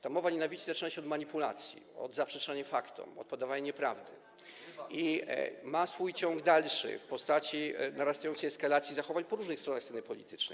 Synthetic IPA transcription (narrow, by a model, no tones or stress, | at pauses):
t̪amɔvaɲɛnavʲit͡ɕizat͡ʂɘnaɕɛɔd̪maɲipula̰t̪sʲjḭɔ̰d̪zapʂɛt͡ʂaɲafakt̪ɔ̰mɔ̰t̪̚pɔd̪avaɲaɲɛpɾa̰vd̪ɘ̰ | imasfujt͡ɕɔŋɡd̪alʂɘ̰fpɔst̪at͡ɕinaɾast̪ajɔnt̪sɛjɛskalat̪sʲjizaxɔvaɲpɔɾuʐnɘkst̪ɾɔnaxsɛnɘpɔlʲḭt̪ɘ̥t͡ʂnɛ̰jj